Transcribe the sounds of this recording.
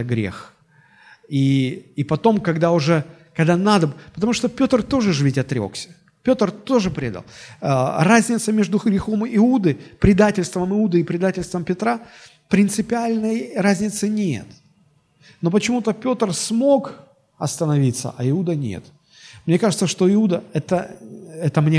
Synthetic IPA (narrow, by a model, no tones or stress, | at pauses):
ɡɾʲḛx | iːpɐt̪o̞mkɐɡd̪aʊʐɛkɐɡd̪anad̪əpət̪ɐmuʂt̪opʲo̞t̪rt̪o̞ʐɨʐɨvʲitʲɐt̪ɾʲo̞̰ksʲə̥ | pʲo̞t̪rt̪o̞ʐɨpɾʲe̞̰d̪ə̰lˠərazʲnʲɪt̪səmʲe̞ʐd̪ʊɡɾʲɪxo̞mɪud̪ɨpɾʲɪd̪atʲɪlʲst̪vəmɨud̪ɨːpɾʲɪd̪atʲɪlʲst̪vəmpʲɪt̪ɾa | pɾʲɪnt̪sɨpʲɪalʲnəjrazʲnʲɪt̪sɨnʲḛt̪ | no̞pət͡ɕɪmut̪əpʲo̞t̪rsmo̞k | ɐst̪ənɐvʲit̪sə̰ʔɐɪud̪ənʲḛt̪ | mnʲe̞kaʐɨt̪səʂt̪o̞ɪud̪əɛt̪əɛt̪əmnʲe